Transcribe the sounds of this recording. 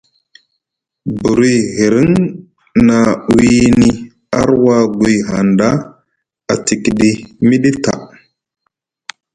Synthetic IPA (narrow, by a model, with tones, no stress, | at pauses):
bu˨ɾi˦ɣi˨ɾi˦ŋ | na˨wi˦ni˦ | a̰˦ɾwa˦ɡʷi˨jɦa˨nda˦ | a˨ti˨ki˨ɗi˦mi˦ɗi˦ta̰˨